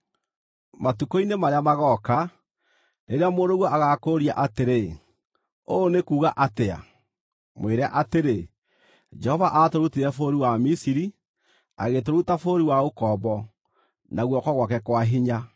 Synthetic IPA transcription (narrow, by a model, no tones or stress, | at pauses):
matukoinemaɾeamaɣɔka | neɾeamoːɾoɣwɔaɣakoːɾia̰ʔateɾe | oːnekuːɣaʔatea̰ | mweɾɛaʔateɾe | d͡ʒɛhɔvaʔatoɾutiɾɛfoɾiwamisiɾi | a̰ɣetoɾutafoɾiwaokɔβɔ | naɣwɔkɔɣwakɛkwaɦiɲa